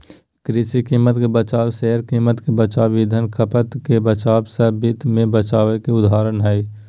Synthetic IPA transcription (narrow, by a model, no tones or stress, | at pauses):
kɾɪsikiːmːət̪kebət͡ʃaːwsɛɦəɾkiːmət̪kebət͡ʃaːʋiːd̪ʱənkʰəpət̪kebət͡ʃaːbsəbɪt̪mẽbət͡ʃaːʋekeʊd̪ʱaːɾənɦɛː